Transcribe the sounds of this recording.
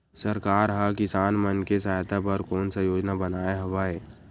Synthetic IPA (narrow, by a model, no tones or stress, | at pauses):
səɾkaːɾɦakɪsaːnmənkes̬aːjt̪ʰapɐɾkɔːnsajoːd͡ʒnabɐnaːeɦɐʋaːeː